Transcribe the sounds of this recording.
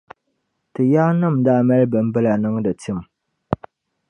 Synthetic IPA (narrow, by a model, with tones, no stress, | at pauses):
tɨ˨jaː˦nɨ˦˨mda˦mɛ˦lbɨ˨m˦bɨ˦la˨nɨ˦ŋdɨ˨ti˦˨m˨